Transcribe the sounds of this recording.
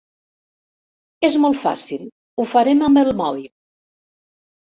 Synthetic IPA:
ezmɔlˠtfa̰silˠ | ufəɾemambəlˠmɔβ̞ilˠ

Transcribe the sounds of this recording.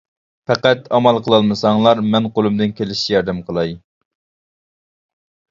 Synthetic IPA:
pɛqæt̪ɑmɑlˠqʰəlˠɑlˠmɨsɑŋlˠɑɾmɛnqʰolˠumd̪ɪnkʲʰelɪʃt͡ʃijɑɾd̪ɪmqʰəlˠɑj

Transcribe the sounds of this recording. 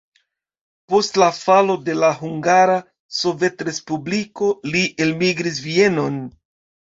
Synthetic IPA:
po̞stlafalo̞de̞laɦuŋɡaɾa | so̞ve̞tɾe̞spubliko̞liʔe̞lmiɡɾis̬vie̞no̞n

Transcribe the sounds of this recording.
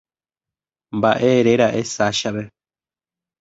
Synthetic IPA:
mbaʔeɾeɾaʔesaʃaβɛ

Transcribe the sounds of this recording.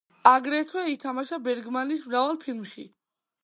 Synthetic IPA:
aɡɾɛt̪ʰwɛit̪ʰamaʃabɛɾɡmanismɾavalˠpʰilˠmʃi

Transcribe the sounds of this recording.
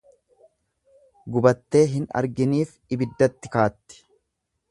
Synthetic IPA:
ɡʊbɐt̪ːe̞ːɦɪnɐ̰ɾɡɪniːf | ɪbɪd̪ːɐt̪ːɪkaːt̪ːɪ̥

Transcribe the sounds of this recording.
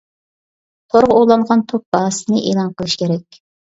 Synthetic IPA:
t̪ʰoɾʁolˠɑɴʁɑnt̪ʰop̚b̥ɑːsɨnɨʔeːlˠɑnqʰəlˠɨʃkʲeɾɛkʲ

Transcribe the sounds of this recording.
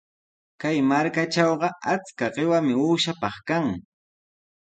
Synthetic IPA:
kajmaɾkaʈ͡ʂɑwɢɑat͡skaɢɪwamɪuːʃapɑχkaŋ

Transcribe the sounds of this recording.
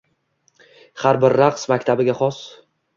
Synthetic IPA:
haɾbɪɾːaqsmakʲt̪ʰabɪɡʲaχɒs

